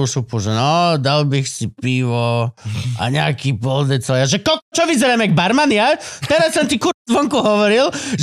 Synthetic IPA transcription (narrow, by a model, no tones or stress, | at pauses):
usupuʒɛnɔd̪albixsipiʋɔ | a̰ɲɛakiːpɔld̪ɛt͡sɛlaʒɛkɔlkɔt͡ʃɔʋizɛɾaːmɛɡbaɾmaniat̪ɛɾasːɔmt̪ikuɾzʋɔŋkuɦɔʋɔɾilʒ